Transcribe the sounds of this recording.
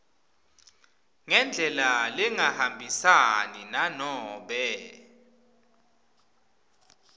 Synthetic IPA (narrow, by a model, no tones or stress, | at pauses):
ŋɛnd͡ɮʱɛlaliŋahambʱisaninanɔːɓɛ